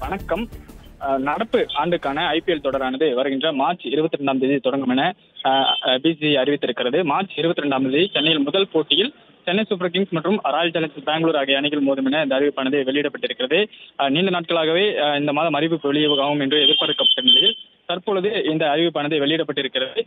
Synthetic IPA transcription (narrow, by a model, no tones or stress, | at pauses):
ʋɐɳɐkːɐm | nɐɽɐpːɯaːɳɖɯkːaːnɐɐɪpɪɛlt̪ɔɽɐɾaːnɐðɯʋɐɾɯɣɪndrɐmaːɾt͡ʃɪɾɯbɐt̪ːɯɪɾɛɳɖaːmd̪ɪðit̪ɔɽɐŋɡɯmɪnɐ | biːsiɐɾɪʋɪt̪ːɪɾɯkːɪrɐðɯmaːɾt͡ʃɪɾɯbɐt̪ːɯɪɾɛɳɖaːmðɪðit͡ʃɛnːɐjɪlmʊðɐlpoːʈːɪjɪl | t͡ʃɛnːɐɪsʊp̬ːɐɾkɪŋsmɐʈrɯmɾaːjɪlt͡ʃɐlɐnd͡ʒbaːŋɡɯɭuːɾaːɣɐɐɳɪɣɪlmoːðɐmɪnɐɪnd̪ɐːɾɪʋɯpːɐɳɐðeʋɛɭɪjɪɽɐpːɐʈːɪɾɯkːɪrɐðɯniːɳɖɯnaːʈ̚kɐɭaːɣɐʋeːɪnd̪ɐmaːðɐmɐɾɪʋɯkːʋɛɭɪjɐʋɐɣaːɣɯmɛndrɯɛðɪɾpaːðɯkːɐpːɐʈːɯnɪlɐjɪl | t̪ɐɾpoːɭɐðɯɪnd̪ɐːɾɪʋɯpːɐɳɐðɐʋɛɭɪɪɽɐpːɐʈːɪɾɯkːɪrɐðɯ